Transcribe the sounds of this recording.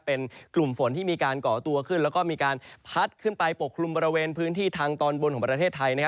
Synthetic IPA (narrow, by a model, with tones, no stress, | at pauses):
pe˧nklu˨˩mfo˩˦nt̪ʰiː˥˩miː˧kaː˧nkɔː˩˦t̪u˧ɐkʰɯ˥˩nlɛː˦˥wkɔː˥˩miː˧kaː˧npʰa˦˥t̪̚kʰɯ˥˩npa˧jpo˨˩kʰːlu˧mbɔː˧ɾi˧weː˧npʰɯː˦˥nt̪ʰiː˥˩t̪ʰaː˧ŋt̪ɔː˧nbo˧nkɔː˩˦pɾa˧t̪ʰeː˥˩t̪ʰːa˧jna˥kʰa˦˥